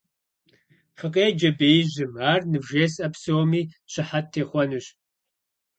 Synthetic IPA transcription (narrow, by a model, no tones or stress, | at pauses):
χɨqʼeːd͡ʒɐbeːjʑɨmaːrnɨvʒeːsɐpsowmiːɕɪħatʰːeːχʷɔnɨɕ